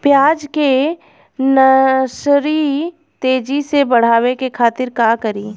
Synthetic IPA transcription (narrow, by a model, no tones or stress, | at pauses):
pjaːd͡ʒke | nɐʃɾi | t̪eːd͡ʒisebɐɽ̤aːwekekʰaːt̪ɪɾkaːkɐɾiː